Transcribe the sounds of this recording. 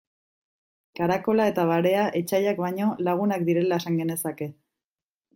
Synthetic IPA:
kaɾako̞lae̞t̪aβaɾe̞aʔe̞t͡ʃajakβaɲo̞laɣ̞unak̚d̪iɾe̞lae̞saŋɡe̞ne̞sake̞

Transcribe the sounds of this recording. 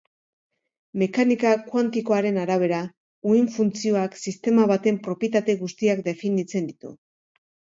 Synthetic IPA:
me̞kanikakwant̪iko̞aɾe̞naɾaβ̞e̞ɾa | uiɱfunt͡sio̞aksist̪e̞maβat̪e̞mpɾo̞pjet̪̬at̪e̞ɣust̪iak̚d̪e̞finit͡se̞nd̪it̪ṵ

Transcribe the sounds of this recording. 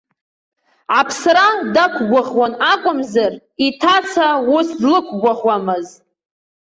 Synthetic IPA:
ʕapʰsɾadakʷʰɡʷaʁwanakʷʼʊmzar | itʰat͡sʰawʊsdlɨkʷʰɡʷaʁwamɨz

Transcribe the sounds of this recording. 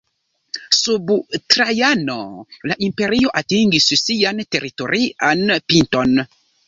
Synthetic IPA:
subutɾajano̰laʔimpeɾioʔatĩŋɡissianteɾitoɾianpintɔn

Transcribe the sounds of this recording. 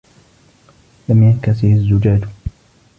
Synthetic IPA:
lamjankasɪhazːʊd͡ʒaːd͡ʒ

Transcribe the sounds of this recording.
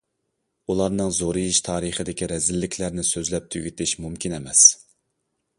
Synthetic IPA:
ulˠɑɾnɨŋzoɾɨjiʃt̪ʰɑːɾɨχəd̪ɪkʲiɾɛzɪlːɪkʲʰlæɾnɪsøzlɛp̚t̪ʰyɡʲit̪ʰɪʃmumkʲʰinɛmɛs

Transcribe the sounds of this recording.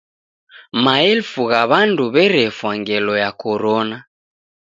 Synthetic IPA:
maɛlfuɣaβanduβɛɾɛfwaŋɡɛlɔjakɔɾɔna

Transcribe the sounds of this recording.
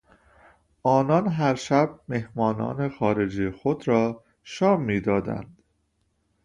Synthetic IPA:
ʔɒːnɒnɦæɾʃæb̚me̞hmɒːnɒ̰ːne̞xɒːɾe̞d͡ʒiːexod̪ɾɒː | ʃɒːmːiːd̪ɒːd̪æ̰nd̪̥

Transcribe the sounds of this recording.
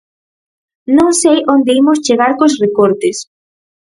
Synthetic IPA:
nõŋsejʔond̪eimost͡ʃeɣaɾkosrekoɾt̪es

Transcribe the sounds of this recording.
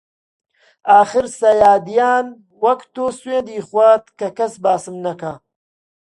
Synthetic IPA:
aːxɨɾsɐjaːd̪ijaːn | wɐkt̪oːsweːnd̪iːxwat̪kɐkɐsbaːsɨmnɐka

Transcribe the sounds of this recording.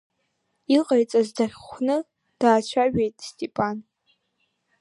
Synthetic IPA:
iqʼajt͡sʼazdaχʲχʷnɨ | d̥aːt͡ʃʷʰaɥᶣejtʼstʼepʼan

